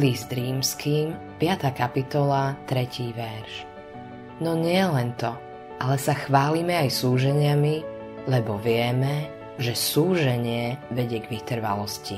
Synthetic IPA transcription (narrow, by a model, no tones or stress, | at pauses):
lizd̪ɾiːmskiːm | pɪat̪aːkapit̪ɔlat̪ɾɛciːʋɛɾʃ | nɔɲɪɛlɛnt̪ɔ | ʔalɛsaxʋaːlimɛajsuːʒɛɲɪami | lɛbɔʋɪɛmɛ | ʒɛsuːʒɛɲɪɛʋɛɟɪɛɡʋit̪r̩ʋa̰lɔscḭ